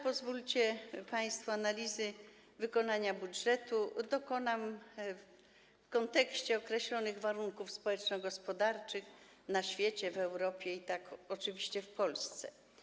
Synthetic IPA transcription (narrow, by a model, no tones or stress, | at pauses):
pɔzvult͡ɕɛpaj̃st̪fuanalʲizɘ | vɘkɔnaɲabudʐɛt̪ud̪ɔkɔnam | fkɔnt̪ɛkɕt͡ɕɛɔkɾɛɕlɔnɘɣvaɾuŋkufspɔwɛt͡ʂnɔɡɔspɔd̪aɾt͡ʂɘx | naɕfʲjɛt͡ɕɛvɛwɾɔpʲjɛit̪akɔt͡ʂɘvʲiɕt͡ɕɛfpɔlst̪sɛ̰